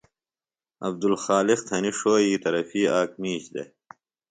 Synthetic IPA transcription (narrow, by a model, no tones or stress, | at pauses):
ɐb̚d̪ulxaːliqt̪ʰɐniʂoːiːt̪ɐɾɐfiːaːk̚miːɕd̪ḛ